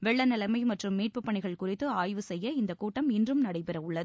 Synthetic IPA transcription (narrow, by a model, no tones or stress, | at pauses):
ʋɛɭːɐnɐlɐmɐɪmɐʈrɯmːiːʈ̚pɯpːɐɳɪɣɐɭkʊrɪt̪ːɯaːjʋɯsɛjːɐɪnd̪ɐkuːʈːɐmɪndrɯmnɐɽɐɪpɛɾɐʊɭːɐðɯ